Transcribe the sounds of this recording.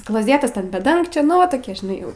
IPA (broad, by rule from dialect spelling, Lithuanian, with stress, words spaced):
klˠoːˈzʲeːtɐs tʲɛn bʲɛ ˈdɐŋkt͡ʃʲoː ˈnʊ ʋɐ ˈtoːkʲiɛ ʒʲɪˈnɐɪ